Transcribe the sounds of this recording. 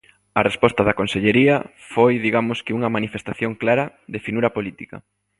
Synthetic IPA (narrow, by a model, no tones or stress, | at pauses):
ɐrespɔst̪ɐðɐkonseʎeɾiɐ | fojðiɣamʊskɪuŋɐmanifest̪aθjoŋklaɾɐ | ðefinuɾɐpolit̪ikɐ̰